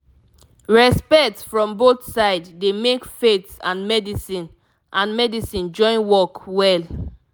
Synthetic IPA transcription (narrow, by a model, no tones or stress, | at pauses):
ɹɛspɛktsfɹɔ̃mboθsaɪddemekfetsãnmɛdisĩn | ʔãnmɛdisĩnd͡ʒɔ̃ɪ̃nwɔkwɛl